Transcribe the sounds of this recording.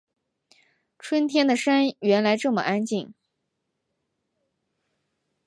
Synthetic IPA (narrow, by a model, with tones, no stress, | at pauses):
ʈ͡ʂʰwə˥nt̪ʰjɛ˥nd̪ə˨ʂa˥nɥɛ˧˥nla˧˥ɪʈ͡ʂɤ˥˩mə̰˩ʔa˥nt͡ɕi˥˩ŋ